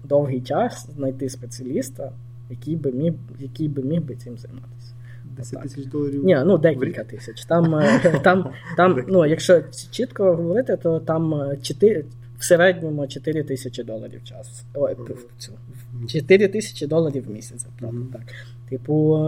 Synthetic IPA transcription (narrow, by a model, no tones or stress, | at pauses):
d̪ɔwɦijt͡ʃɑsznɐjt̪ɪspet͡sʲɪɐlʲist̪ɐ | jɐkʲijbɪmʲi | jɐkʲijbɪmʲiɦbɪt͡s̪ʲɪmzɐjmɑ̰t̪ɪ̥sʲɐ̥ | a̰nʲɛnud̪ɛkʲilʲkɐt̪ɪsʲɐt͡ʃʲt̪ɑmt̪ɑmt̪ɑmnujɐkʃt͡ʃɔt͡ʃit̪kɔɦɔʋɔɾɪt̪ɪt̪ɔt̪ɑmt͡ʃɪt̪ɪ | wseɾɛdʲnʲɔmɔt͡ʃɔt̪ɪɾʲɪt̪ɪsʲɐt͡ʃʲɪd̪ɔlˠɐ̰ɾʲḭwt͡ʃɑ̰sʊ̥ | ɔ | t͡sʲu | t͡ʃet̪ɪɾʲɪt̪ɪsʲɐ̥t͡ʃɪd̪ɔlˠɐɾʲiwmʲisʲɐt͡sʲɐplˠɔt̪ɑk | t̪ɪpʊ